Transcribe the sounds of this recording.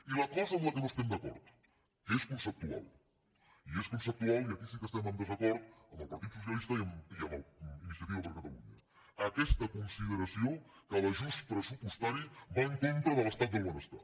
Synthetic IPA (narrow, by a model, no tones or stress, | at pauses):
ilɐkɔzəzləkənoest̪ɛmd̪əkɔ̰ɾt̪ | eskunsəp̚t̪ua̰lˠ | ieskunsəp̚t̪ualˠiəkisikəst̪ɛmənd̪əzəkɔɾt̪̚əməlˠpɐɾt̪it̪sus̬jɐlist̪əiəmiəməlinis̬iat̪iəβəɾkət̪ɐluɲə̰ | əkɛst̪əkunsiðəɾəsiokələʒust̪pɾəsupust̪aɾiβaəŋkont̪ɾəðələst̪at̪̚d̪əlˠβonəst̪a̰t̪